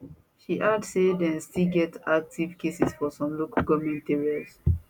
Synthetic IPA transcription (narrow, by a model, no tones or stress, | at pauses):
ʃiʔadsedɛ̃nstilɡɛtak̚tʰivkesisfɔsɔ̃mlokɡɔmɛ̃ntɛɹiɔz